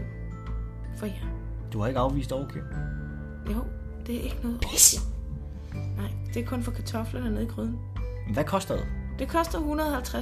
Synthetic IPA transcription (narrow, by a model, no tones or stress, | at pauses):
fɒjæ | d̥uhɑ̈e̝ɡ̥ɑ̈ʊʋḭːsd̥ɒʊkʰe | joʊ | d̥e̝æɐʔe̝ɡ̥ənɔ̽ːð̩ˠpisi | nɑ̈ɪ̰d̥e̝æɐkʰɔ̽nfɒ̽kʰæt͡sʰɒ̽flənæneð̰ˠiɡ̥ʰʁyðˠn̩nʋækʰɒ̽sd̥ɐd̥ed̥e̝kʰɒ̽sd̥ɐhunɐðˠhælt͡sʰʁa